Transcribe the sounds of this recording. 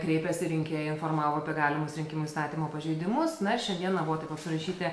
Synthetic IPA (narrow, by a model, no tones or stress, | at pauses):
kɾʲeɪpʲɛsʲɪɾʲɪŋʲkʲeːjɛɪnfoːrmɑːʋoːɐpʲiɛɡɑːlʲɪmʊsɾʲɪŋʲkʲɪmʊist̪ɑːt̪ʲiːmoːpɐʒʲɛɪd̪ʲɪmʊssnɐɪʃʲɛnd̪ʲiɛnɐbʊʋɔt̪ɐɪpɐpsʲɪrɐʃʲiːt̪ʲɪ